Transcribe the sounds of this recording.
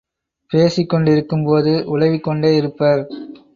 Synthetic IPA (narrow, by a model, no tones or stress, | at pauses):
peːsɪkːɔɳɖɪɾɯkːɯmpoːðɯʔʊlɐʋɪkːɔɳɖeːɪɾɯpːɐɾ